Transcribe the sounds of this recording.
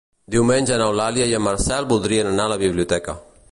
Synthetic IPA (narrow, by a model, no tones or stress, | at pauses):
d̪iumend͡ʒɐnawlaːlijajamɐɾsaːlbud̪ɾijɐnɐnalabibliot̪eːka̰